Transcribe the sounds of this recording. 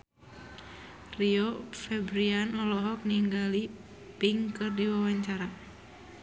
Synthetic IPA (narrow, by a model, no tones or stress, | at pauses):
riofɛbɾianɔlɔɦɔk̚niŋɡali | piŋkɨrdiwawaɲt͡ʃaɾa